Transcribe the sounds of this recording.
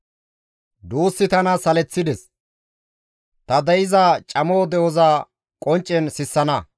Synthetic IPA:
d̪uːsːɪt̪ɐnɐsɐlɛt͡sːɪd̪ɛs | t̪ɐd̪ɐjɪzat͡ʃʼɐmoːd̪ɛʔɔzaː | kʼɔnt͡ʃʼːɛnsɪsːɐnɐ

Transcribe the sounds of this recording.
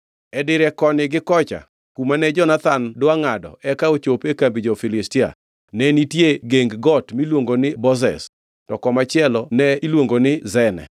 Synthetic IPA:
ɛdɪɾɛkɔnɪɡɪkɔt͡ʃa̰ | kumanɛd͡ʒɔnat̪andwaŋadɔ̰ɛkaot͡ʃopekambid͡ʒofɪlɪstɪa̰ | nɛnitjeɡeŋɡɡɔtmilwoŋɡonɪbɔzɛ̰s | tɔkɔmat͡ʃɪɛlɔnɛilwoŋɡonɪzɛnɛ̰

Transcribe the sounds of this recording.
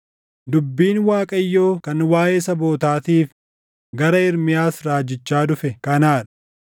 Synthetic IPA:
d̪ʊbːiːnwaːkʼɐjːo̞ːkɐnwaːjeːsɐbo̞ːt̪aːt̪iːf | ɡɐɾɐɪɾmɪjaːsɾaːd͡ʒɪt͡ʃːaːd̪ʊfɛkɐnaːᶑɐ̥

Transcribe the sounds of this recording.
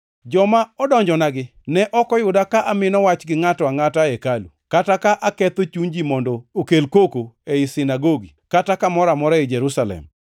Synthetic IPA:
d͡ʒɔmaɔdɔɲd͡ʒɔnaɡɪnɛʔɔkɔjʊdakaʔamɪnɔwat͡ʃɡɪŋatɔaŋataɛkalṵkatakaʔakɛt̪ot͡ʃund͡ʒimɔndɔokelkokoeɪsɪnaɡoɡikatakamɔɾamɔɾaɪd͡ʒɛɾusalɛ̰m

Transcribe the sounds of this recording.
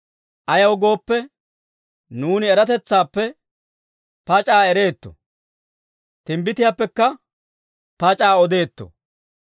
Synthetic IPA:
ʔɐjɐwɡo̞ːpːɛ | nuːnɪɛɾɐt̪ɛt͡sːaːpːɛ | pɐt͡ʃʼaːɛɾe̞ːt̪ːɔ̰ | t̪ɪmbɪt̪ɪjaːpːɛkːɐ | pɐt͡ʃʼaːɔd̪e̞ːt̪ːɔ̰

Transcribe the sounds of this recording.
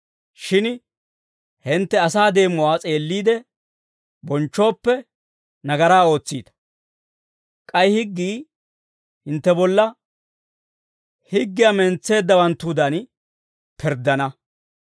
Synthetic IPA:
ʃɪn | hɪnt̪ːɛɐsaːd̪e̞ːmːɔwaːt͡sʼe̞ːlːiːd̪ɛ | bɔnt͡ʃːo̞ːpːɛ | nɐɡɐɾaːo̞ːt͡sːiːt̪ɐ̥ | kʼɐjhɪɡːiː | hɪnt̪ːɛbɔlːɐ | hɪɡːɪjamɛnt͡sːe̞ːd̪ːɐwɐnt̪ːud̪ɐn | pʰɛɾd̪ːɐnɐ

